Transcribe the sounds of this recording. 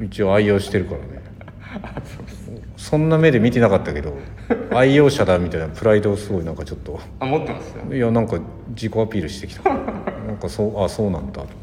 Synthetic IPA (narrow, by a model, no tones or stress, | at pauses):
it͡ɕio̞ːaijo̞ːɕi̥t̪e̞ɾɯ̟kaɾa̰ne̞ | so | sõ̞nːame̞d̪e̞mʲit̪e̞nakat̪ːake̞d̪o̞ | aijo̞ːɕad̪amʲit̪ainapɯ̟ɾaid̪o̞sɨɡo̞inãŋkat͡ɕo̞t̪ːo̞ | mot̪ːema̰so̰janãŋka | d͡ʑiko̞apʲiːɾɯ̟ɕi̥t̪e̞ki̥t̪ḁknãŋkasoːʔaso̞ːnãnd̪at̪o